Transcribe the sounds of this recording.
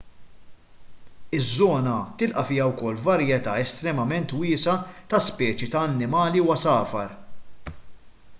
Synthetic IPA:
ɪzːɔːnɐt̪ɪlʔɐfɪjɐwkɔlːvɐɾjɛt̪ɐːɛst̪ɾɛmɐmɛnt̪wɪːsɐt̪ɐspɛːt͡ʃit̪ɐːnːɪmɐːliwɐsɐːfɐɾ

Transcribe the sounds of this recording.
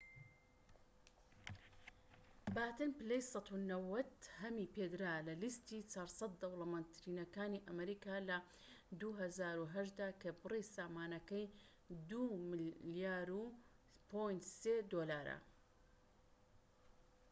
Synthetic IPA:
baːt̪ɨnpɨlejsˤɑt̪unɐwɐt̪hɐmiped̪ɾaːlɐlist̪iːt͡ʃaːɾsˤɑt̪̚d̪ɐwlɐmant̪ɾiːnɐkaːniʔɐmɐɾiːkaːlɐ | d̪uɦɐzaːɾuɦɐʃd̪aːkɐbɨrisaːmaːnɐkɐj | d̪umljaːɾupʰojnt̪seːd̪oːlaːɾɐ̰

